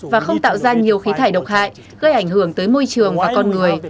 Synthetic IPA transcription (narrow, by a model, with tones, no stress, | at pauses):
vaː˨˩xə˧wŋ͡mt̪a̰ː˧˨wzaː˧ɲi˨˩əwxi˨˦t̪ʰaː˧˩jɗə˨˩wk͡p̚ha̰ː˧˨j | ɣə˧jʔa˧˩jŋ̟hɨ˧˩əŋt̪əː˨˦jmo˧jt͡ɕɨ˨˩əŋvaː˨˩kɔ˧nŋɨ˨˩əj